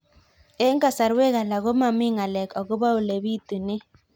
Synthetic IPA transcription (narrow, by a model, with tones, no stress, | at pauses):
e˦ŋɡa˨sa˨ɾwe˦ɣa˨la˨ɣo˦ma˨mi˦ŋa˨lɛ˨ka˨ɣo˦βa˦u˨le˨βi˦tu˨nɪ˦